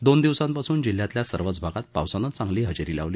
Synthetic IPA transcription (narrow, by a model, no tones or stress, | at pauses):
d̪ond̪iʋsãmpasuːnd͡ʑil̤jãt̪ljasəɾʋət͡sbʱaɡat̪̚pa̰wsanət͡sãŋɡliːɦəd͡ʑɾiːla̰ʋliː